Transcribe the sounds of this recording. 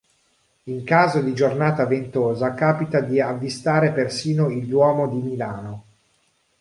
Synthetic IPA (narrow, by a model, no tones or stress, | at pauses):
iŋkaːzod̪id͡ʒornaːt̪avent̪oːzakaːpit̪ad̪iavːist̪aːɾepersiːnoild̪wɔːmod̪imilaːno